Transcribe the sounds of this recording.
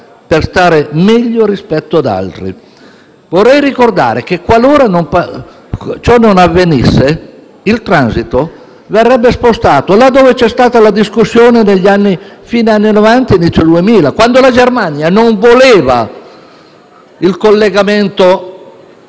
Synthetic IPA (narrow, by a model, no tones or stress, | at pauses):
perst̪aːɾemɛʎːoɾispɛt̪ːoad̪a̰lt̪ɾḭ | vorːɛjɾikord̪a̰ːɾek̟ekːwaloːɾanompa | t͡ʃɔnːonavːenisːe | ilt̪ɾansit̪o | verːɛbːespost̪aːt̪olad̪ːoːvet͡ʃɛst̪aːt̪alad̪iskusːjoːneneʎːianːifiːnanːinovant̪ainit̪sod̪uemiːlakwand̪olad͡ʒermanjanoɱvoleːva̰ | ilkolːeɡamɛnt̪o